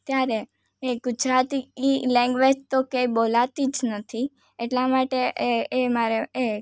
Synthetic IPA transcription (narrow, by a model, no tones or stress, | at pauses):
t̪jaɾe | eɡʊd͡ʒɾat̪iilɛ̃ŋɡʋed͡ʒt̪okeibolat̪id͡ʒnət̪ʰi | eʈlamaʈeʔemaɾee